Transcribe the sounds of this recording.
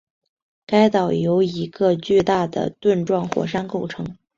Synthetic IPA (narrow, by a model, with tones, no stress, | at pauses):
ka˥ɪt̪ɑ˨˩ʊjo˧˥ʊi˧˥ɡə˧t͡ɕy˥˧t̪a˥˩d̪ə̰˩t̪wə˥˧nʈ͡ʂwɑ˥˧ŋxwɔ̰˨˩ʂa˥nko˥˩ʊʈ͡ʂʰɤ˧˥ŋ